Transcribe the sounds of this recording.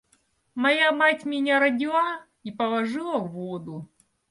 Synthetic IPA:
mɐjamatʲmʲɪnʲaɾɐdʲɪlˠa | ipɐlˠɐʐɨlˠɐvːod̪ʊ

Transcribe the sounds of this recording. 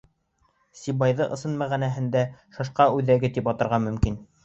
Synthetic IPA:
sʲibɑjðɤʔɤ̆sɤnmæʁænæɦɘ̆nd̪æʃɑʃqɑʉðæɡɘt̪ipɑt̪ɤ̆ɾʁɑmɵ̆mkin

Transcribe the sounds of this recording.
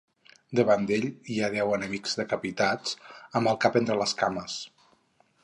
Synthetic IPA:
d̪əβand̪eʎiaðɛwənəmikz̥ðəkəpit̪at͡səməlˠkapent̪ɾələskaməs

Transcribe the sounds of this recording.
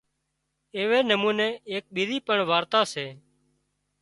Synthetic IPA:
eːʋeːnəmũːnẽːeːk̚ɓiɾiːpəɳʋaːɾt̪aːseː

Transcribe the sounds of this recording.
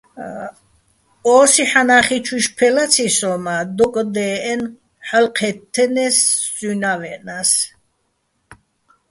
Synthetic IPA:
ɔːsiħanaχit͡ʃʰwiʃpʰɛlat͡sʰisɔmad̪ɔkʼd̪ɛːɛn | ħalqʰɛt̪ʰːɛnɛszunavɛʔnas

